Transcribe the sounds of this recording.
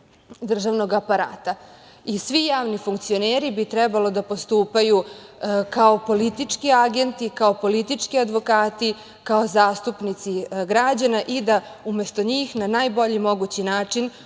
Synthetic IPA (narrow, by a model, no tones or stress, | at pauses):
d̪r̩ʒaʋno̞ɡapaɾa̰ːt̪a | isʋijaːʋnifuŋkt̪sio̞neːɾibit̪ɾɛbalo̞d̪apo̞st̪uːpaju | kao̞po̞lit̪it͡ʂkiaɡe̞nt̪ikaopo̞lit̪it͡ʂkiad̪ʋo̞kaːt̪i | kao̞zaːst̪upnit̪siɡɾad͡ʑanaʔid̪a | ume̞st̪o̞ɲiːxnanaːjbo̞ʎimo̞ɡut͡ɕinaːt͡ʂin